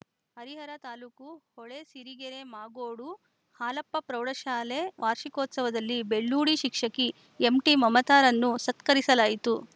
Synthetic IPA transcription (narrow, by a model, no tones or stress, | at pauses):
hɐɾiɦɐɾɐt̪aːluːkuhɔɭesiɾiɡeɾemaːɡoːɽu | haːlɐpːɐpɾɐwɽɐʃaːleʋʔaːɾʃikoːt̪sɐʋɐd̪ɐlːibeɭːuːɽiʃikʂɐki | emʈimɐmɐt̪aːɾɐnːusɐt̪kɐɾisɐlaːjit̪u